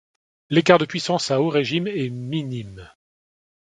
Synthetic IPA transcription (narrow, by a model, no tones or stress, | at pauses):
lekaʁd̪əpɥisɑ̃saoʁeʒimɛminim